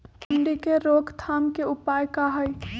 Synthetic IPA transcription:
pʊɳɖikeɾoːkt̪ʰaːmkeʊpaːjkaɦəj

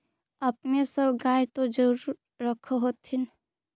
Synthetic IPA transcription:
əpnesəbɡajt̪od͡ʒəɾː | əkʰoɦot̪ʰin

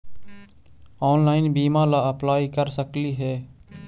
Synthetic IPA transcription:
ɔːnlaːɪnbiːmalaɐplaːikəɾsəkliɦɛː

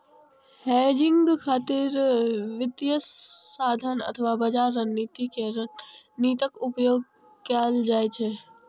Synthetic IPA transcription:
hɛːd͡ʒɪ̃ŋɡkʰaːt̪ɪɾʋɪt̪jəsaːd̪ʱənɐ̰t̪ʰəʋabɐd͡ʒaːɾːənːiːt̪ike | niːt̪əkʊpjoːɡ | kaːld͡ʒaːet͡ʃʰe

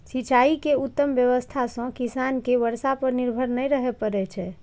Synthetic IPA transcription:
sit͡ʃaikeut̪ːəmʋjəʋəst̪ʰasə̃kisankeʋəɾsapəɾniɾbʱəɾnəjɾəɦɛpəɾɛt͡ʃʰɛ

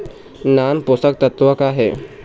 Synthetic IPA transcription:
naːnpʊst̪ək̚t̪ɐt̪ʋəkaɦɛː

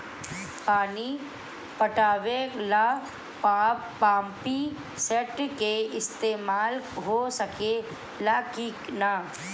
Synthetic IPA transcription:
paːni | pəʈaːʋela | pa | aːmpi | sɛʈkeɪst̪eːmaːlɦosəke | laːkiːkna

